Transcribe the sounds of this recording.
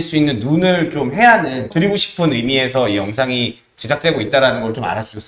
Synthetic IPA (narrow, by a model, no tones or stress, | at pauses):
ɭs͈uinːɯnːunɯɭt͡ɕomɦe̞anɯntɯɾiɡoɕʰi̥pʰɯnɯjmie̞s̬ʰʌijʌŋs̬ʰaŋi | t͡ɕe̞d͡ʑak̚t͈we̞ɡoit̚t͈aɾanɯnɡʌɭt͡ɕoma̰ɾad͡ʑuɕʰʌs͈